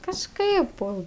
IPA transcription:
kɐʃˈkɐɪp ˈpoː

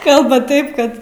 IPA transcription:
ˈkɐlˠbɐˈtɐɪp ˈkɐt

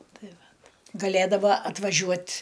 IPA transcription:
ˈtɐɪ ˈʋɐt ɡɐˈlʲeːdɐʋɐ ɐtʋɐˈʒʲuɔtʲ

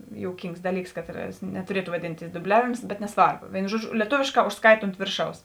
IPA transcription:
joːʊˈkʲiːŋks ˈdɑːˌlʲiːks ˈkɑːtˌrɐs nʲɛtʊˈrʲiɛtʊ ʋɐˈdʲɪnʲtʲɪs dʊˈbʲlʲæːʋʲɪms bʲɛt nʲɛˈsʋɐrboː ˈʋʲeːɪnʊ ˈʒuɔˌd͡ʒʲʊ lʲiɛˈtoːʋʲeːʃˌkɑː ʊʃsˈkɐɪt oːnt ˈʋʲeːrˌʃɐʊs

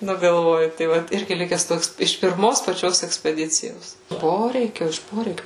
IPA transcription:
ˈnʊ ɡɐlˠˈʋoːjʊ tɐɪ ˈʋɐt ˈɪrʲɡʲɪ ˈlʲɪkʲɛs ˈtoːks ɪʃ pʲɪrˈmoːs pɐˈt͡ʃʲoːs ɛksʲpʲɛˈdʲɪt͡sʲɪjoːs ˈpoːrʲɛɪkʲoː ɪʃ ˈpoːrʲɛɪkʲʊ

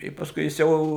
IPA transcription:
tɐɪ pɐsˈkʊɪ jɪs ˈjɛʊ

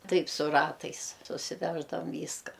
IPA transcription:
ˈtɐɪp sʊ ˈrɑːtɐɪs sʊsʲɪˈʋʲæːʒdɐʋɐm ˈʋʲiːskɐ

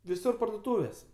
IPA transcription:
ʋʲɪˈsʊr pɐrdoːˈtuːʋʲeːs

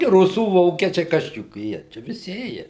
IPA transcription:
ɡʲɪ ˈrʊsuː ˈʋoːkʲiɛt͡ʃʲɛɪ ˈkɐs t͡ʃʲɛ jʊk ˈjiɛ ˈt͡ʃʲɛ ʋʲɪˈsʲɪ ˈeːjɛ

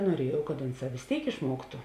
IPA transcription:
nuɔˈrʲiɛjɛʊ kɐt ˈʊnˌsɑː ʋʲɪs ˈtʲeːɪk ɪʃˈmuɔktʊ

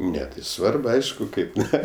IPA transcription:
ˈnʲɛ tɐɪ ˈsʋɐrp ˈɐɪʃkʊ ˈkɐɪp ˈnʲɛ

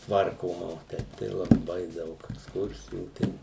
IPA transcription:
ˈtʋɐrkoːmɐ oː ˈtʲɛɪp tɐɪ lˠɐˈbɐɪ ˈdɐʊk ɛksˈkʊrʲsʲɪjuː ˈtʲɛn

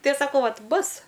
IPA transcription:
ˈtɐɪ ɐʃ sɐˈkɐʊ ˈʋɐtʲ ˈbʊsʲ

